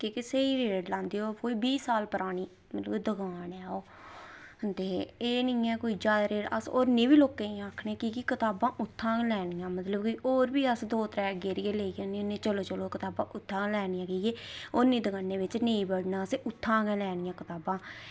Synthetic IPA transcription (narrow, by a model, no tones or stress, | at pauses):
kikɪseːiːɾeːɖlãːnd̪iːoːkoːiːbiːsaːlpəɾaːɽiː | mət̪ləbd̪əɡaːnɛːoː | ənd̪eːeːnĩːɛːkoːiːd͡ʒaːd̪ɾeːɾə̰so̰ːɾnẽːbiːloːkẽːaːkʰɳeːkikɪkɪt̪aːbãːʔʊt̪ʰːãːlɛːɽ̃ɪjãːmət̪ləbkɪʔoːɾbiːəsd̪oːt̪ɾɛːɡeːɾɪeːleːiɡənĩːʊnːẽːt͡ʃəloːt͡ʃəloːkɪt̪aːbã̰ːʔʊt̪ʰːãːlɛːɽ̃ɪãːkiːɡeːonːĩːd̪əɡaːneːʋɪt͡ʃnẽːĩːbəɽnaːseʔʊt̪ʰːãːɡɛːlɛːɽ̃ɪjãːkɪt̪aːbãː